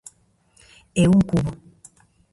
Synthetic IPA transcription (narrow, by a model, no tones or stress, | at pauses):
ewuŋ̩kubɔ